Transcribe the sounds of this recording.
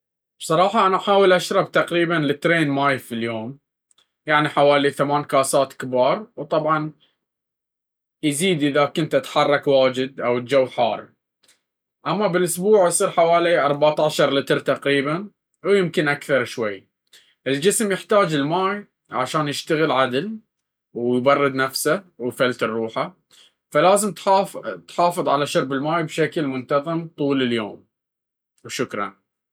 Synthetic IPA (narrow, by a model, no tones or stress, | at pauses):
b̥sˤɑɾˤɑːħɑʔanaʔaħaːwəlʔaʃɾˤɑbt̪aqɾiːbanlɪt̪ɾeːnmaːjfiljoːm | jaʕniħawaːliθamaːnkaːsaːt̪kbɑːɾˤwt̪ˤɑbʕɑn | jziːd̪ʔɪðakʊnt̪ʔat̪ħɑrˤːɑkwaːd͡ʒɪd̪̚ʔawt̪d͡ʒawːħaːrˤ | ʔamːabɪlʔʊsbuːʕjsˤiːɾħawaːliʔɑɾˤbaʕt̪aʕʃɑɾˤlɪt̪ɾt̪ɑqɾiːban | wjɪmkɪnʔakθɑɾˤʃwajː | ʔɪld͡ʒɪsmjɪħt̪aːd͡ʒɪlmaːj | ʕaʃaːnjɪʃt̪aɣɪlʕad̪l | wjbɑrˤːɨd̪nafsawfalt̪ɨrːuːħa | falaːzəmt̪ɑːt̪ħɑːfɨðˤʕalaʃʊɾbɪlmaːjbʃaklmʊnt̪ɑðˤɨmt̪ˤuːlɪljoːm | wʃʊkɾˤɑ̰n